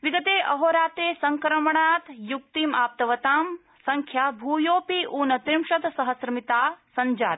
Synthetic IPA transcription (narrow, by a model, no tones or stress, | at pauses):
ʋiɡɐt̪eːʔɐɦoːɾaːt̪eːsɐŋkɾɐmɐɳaːt̪juk̚t̪iːmaːp̚t̪ɐʋɐt̪aːm | sɐŋkʰjabʱuːjoːpiːʔuːnɐt̪ɾimʃɐt̪sɐɦɐsɾɐmit̪aːsɐɲd͡ʒa̰ːt̪